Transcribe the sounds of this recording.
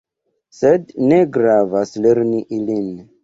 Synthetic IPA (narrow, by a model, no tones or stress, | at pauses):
sedneɡɾavasleɾniʔilin